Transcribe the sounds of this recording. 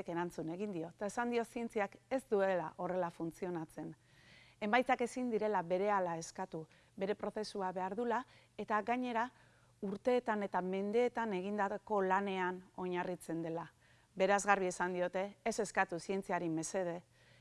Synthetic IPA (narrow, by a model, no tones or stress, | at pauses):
eke̞ɾant͡sune̞ɣind̪io̞t̪ae̞sand̪io̞sie̞nt͡siake̞zd̪ue̞laʔo̞re̞lafunt͡sio̞nat͡se̞n | e̞mbajt͡sake̞sind̪iɾe̞laβe̞ɾe̞alae̞skat̪u | βe̞ɾe̞pɾo̞θe̞suaβe̞aɾðula | e̞t̪aɣaɲe̞ɾa | uɾt̪e̞ːt̪ane̞t̪ame̞nd̪e̞ːt̪ane̞ɣ̞ind̪ako̞lane̞ano̞ɲarit͡se̞nd̪e̞la | be̞ɾazɣarβie̞sand̪io̞t̪e̞ːse̞skat̪usie̞nt͡siaɾime̞se̞ð̞e̞